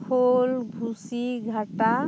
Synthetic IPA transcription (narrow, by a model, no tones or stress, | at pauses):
pʰolbʱusiɡʱəʈa